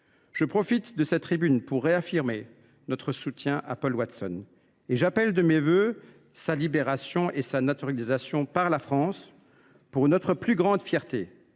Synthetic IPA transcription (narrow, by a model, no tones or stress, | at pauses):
ʒ̥əpχɔfit̪d̪əsɛt̪ːχibynpuʁːeafiʁme | nɔt̪χəsut̪jɛ̃ʔa̰pɔlwat̪sɔn | eʒapɛld̪əmevø | salibeʁasjɔ̃ʔesanat̪yʁjalizasjɔ̃paʁlafχɑ̃s | puʁnɔt̪χəplyɡʁɑ̃d̪fjɛʁt̪ʰe